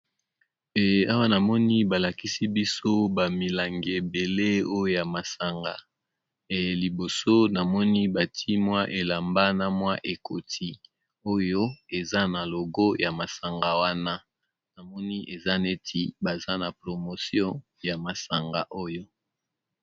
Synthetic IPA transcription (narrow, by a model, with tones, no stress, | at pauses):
e˨a˦wa˦na˨mɔ˦ni˦ba˨la˨ki˦si˦bi˦so˦ba˨mi˨la˨ŋɡe˨be˨le˦o˦jo˦ja˨ma˨sa˨ŋɡa˨ | e˨li˨bo˨so˦na˨mɔ˦ni˦ba˨tʰi˦mwa˦ʔe˨la˨mba˦na˦mwa˦ʔe˨kʰo˨tʰi˦ | o˦jo˦e˨za˦na˨lo˨ɡɔ˦ja˨ma˨sa˨ŋɡa˨wa˦na˦ | na˨mɔ˦ni˦ʔe˨za˦ne˦tʰi˦ba˨za˦na˨pʁo˨mo˨sjɔ̃˦ | ja˨ma˨sa˨ŋɡa̰˨ʔo˦jo˦